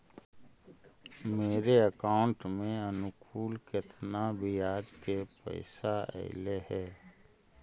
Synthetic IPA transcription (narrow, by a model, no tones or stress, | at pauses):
meːɾeəkaːʊ̃ɳʈmẽənʊkʰuːlkɪt̪ʰnabʱijaːd͡ʒkepə̰ɪsaɛ̰ɪleɦɛː